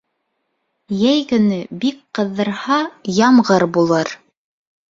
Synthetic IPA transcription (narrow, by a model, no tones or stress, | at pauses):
jæjkɵ̆nɵbikqɤ̆ðːɤ̆ɾhɑjɑmʁɤɾbulˠɤɾ